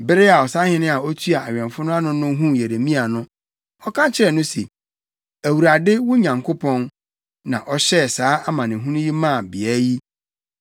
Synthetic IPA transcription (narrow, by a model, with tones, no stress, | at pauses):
bɪ˦ɾɪ˦a˨ɔ˨sa˦hɪ̃˦nɪ̃˦a˨ɔ˦t̪ʰu˦a˨a˨ɥᶣɛ̃˨nfʊ˦nʊ̃˦a˦nʊ̃˦nʊ̃˦ɦũ˦je˨ɾe˨mĩ˦a˨nʊ̃˦ | ɔ˦kʰã˦t͡ɕʰɪ˦ɾɛ˨nʊ̃˦sḛ˨ | æ˨wu˨ɾa˨dɪ˦wʊ̃˦ɲã˨ŋkʰo˦pʰɔ̃˦n | nã̰˨ʔɔ˦ɕɛ˦˨saː˨˦ʔa˦mã˨nɪ̃˨ɦũ˦nʊ̃˦ji˦mã˦˨bi˨æː˨˦ji˦